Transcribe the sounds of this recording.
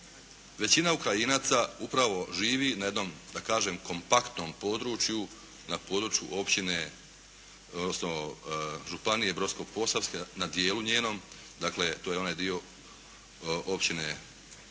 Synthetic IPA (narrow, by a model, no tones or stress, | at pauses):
ʋe̞t͡ɕinaukɾajinaːt̪saupɾaʋo̞ʒiːʋinaje̞d̪no̞md̪akaːʒe̞mko̞mpakt̪no̞mpo̞ːd̪ɾut͡ʃju | napo̞ːd̪ɾuːt͡ʃjṵʔo̞pt͡ɕine̞ | od̪nosno̞ | ʒupanije̞bɾo̞sko̞ɡpo̞saʋskenad̪je̞ːluɲe̞ːno̞m | d̪aːkle̞t̪oːjeo̞naːjd̪io̞ | ʔopt͡ɕine